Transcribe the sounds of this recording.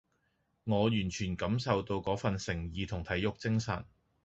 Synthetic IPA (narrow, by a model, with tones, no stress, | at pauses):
ŋɔː˨˧jyː˨˩nt͡ʃʰyː˨˩nkɐ˨˧˥msɐ˨wt̪o˧wkɔː˨˥fɐ˨nsɪ˨˩ŋjiː˨t̪ʰʊ˨˩ŋt̪ʰɐ˨˥jʊ˨k̚t͡sɪ˥ŋsɐ̰˨˩n